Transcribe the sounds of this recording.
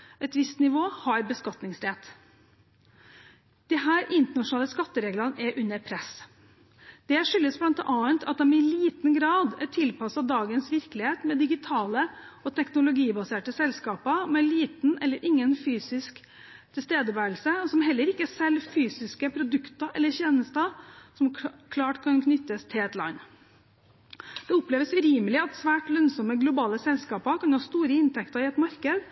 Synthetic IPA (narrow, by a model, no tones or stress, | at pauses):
ʔɛt̪ʋɪst̪nɪʋoːhɑɾbəskɑt̪nɪŋsɾɛt̪ | d̪̥ɪɦæːɾʔɪnt̪əɳɑʂʊnɑːləskɑt̪ːəɾeːɡlɑnɛɾʔʉnːəɾpʰɾɛs | d̪̥ɛæʂʏlːəsblɑnt̪ʔɑːənt̪ʰɑt̪̚d̪ɛmɪliːt̪nɡɾɑːd̪ɛt̪ʰɪlpɑsɑd̪ɑːɡənsʋɪɾklɪheːt̪mɛd̪ɪɡɪt̪ʰɑːləɔt̪ʰɛknʊlʊɡiːbɑseːʈəsɛlskɑːpəmɛliːt̪n̩ʔɛlːəɾʔɪŋːənfyːsɪsk | t̪ʰɪlst̪eːd̪əʋæːlsəɔsɔmɦɛlːəɾɪkːəæsɛlfyːsɪskəpʰɾʊd̪ʉkt̪ɑʔɛlːəɾçeːnəst̪ɑsɔmkʰlɑːʈkʰɑnkʰnʏt̪ːəst̪ʰɪɛt̪lɑ̰nː | d̪̥ɛɔpleːʋəsʉɾiːməlɪɑt̪sʋæːʈlœnsɔməɡlʊbɑːləsɛlskɑːpɑkʰɑnhɑːst̪uːɾəɪnt̪ʰɛkt̪ɑɾɪɛt̪mɑɾkəd̪